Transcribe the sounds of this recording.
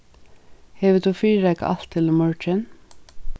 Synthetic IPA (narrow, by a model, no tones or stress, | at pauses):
heːʋɪt̪ʰuːfiːɾækʔɑ̰lt̪ʰɪlmœɹt͡ʃən